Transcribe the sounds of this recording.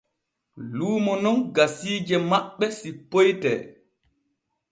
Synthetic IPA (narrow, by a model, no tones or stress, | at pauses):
luːmɔnɔnɡasiːd͡ʒɛmaɓːɛsipːojtɛ̰ː